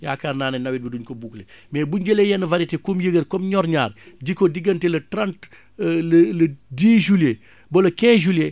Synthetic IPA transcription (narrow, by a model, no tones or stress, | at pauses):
ja̰ːkarnaːnɐnɐwit̚biduɲkobuklemɛːbuɲɟəlejɛnɐvaɾitekumjəɡəɾkɔmɲɔɾɲaːɾɟikodiɡɐntɛlɐtɾãnt | lɐlɐdiːʒule | bolɐkɛ̃ːʒulje